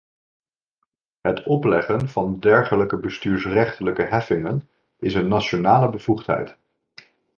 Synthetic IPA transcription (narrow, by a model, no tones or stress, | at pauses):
ɦətɔplɛχənvɑndɛɹχələkəbəstyːɹsrɛχtələkəɦɛfɪŋən | ɪsənːat͡ʃonaːləbəv̥uχtɦɛ̰jt